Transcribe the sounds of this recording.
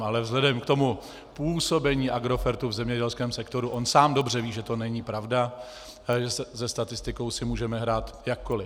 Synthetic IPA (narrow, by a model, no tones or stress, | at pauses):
ʔalɛvzɦlɛdɛmkt̪o̞mu | puːso̞bɛɲiːʔaɡɾo̞fɛɾt̪uvzɛmɲɛɟɛlskɛːmsɛkt̪o̞ɾuʔonsaːmdo̞br̝ɛviːʒɛt̪o̞nɛɲipɾavda | ʒɛsɛzɛst̪at̪ɪst̪ɪko̞wsɪmuːʒɛmɛɦɾaːt̪jakːolɪ